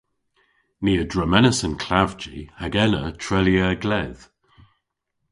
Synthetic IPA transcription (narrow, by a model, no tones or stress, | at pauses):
niːədɹəmɛnəsənkʰl̥avd͡ʒḭhaɡɛnətʰɹɛljəɡlɛð̥